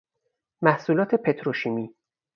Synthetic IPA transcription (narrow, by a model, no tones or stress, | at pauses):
mæhsuːlɒːt̪ʰe̞pʰe̞t̪ʰɾoʃiːmiː